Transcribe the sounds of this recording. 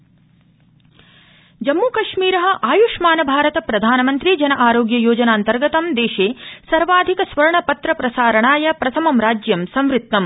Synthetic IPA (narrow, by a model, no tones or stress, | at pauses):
d͡ʒɐmːuːkɐʂmiːɾɐɦɐ̆ʔaːjuʂmaːnɐbʱaːɾɐt̪ɐpɾɐd̪ʱaːnɐmɐnt̪ɾid͡ʒɐnɐʔaːɾoːɡjɐjoːd͡ʒɐnaːnt̪ɐɾɡɐt̪ɐmd̪eːʃeːsɐɾʋaːd̪ʱikɐsʋɐɾɐɳɐpɐt̪ɾɐpɾɐsaːɾɐɳaːjɐpɾɐt̪ʰɐmɐmɾaːd͡ʒjɐmsɐmɾɪt̪ːɐm